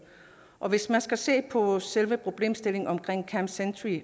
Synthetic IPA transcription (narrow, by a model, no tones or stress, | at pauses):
ʔɒ̽ʋe̝smænsɡ̥æse̝̰ːpʰɒ̽selʋəpʰʁo̝b̥le̝̰ːmsd̥e̝le̝ŋɒ̽mkʰʁeŋ̰kʰæmsendʰʁi